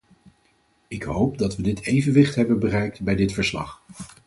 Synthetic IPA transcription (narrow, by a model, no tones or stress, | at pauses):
ɪkɦowpdɑtʋədɪtejvənʋɪχtɦɛbənbərɛjk̚tbɛjdɪtfəɹslɑ̰χ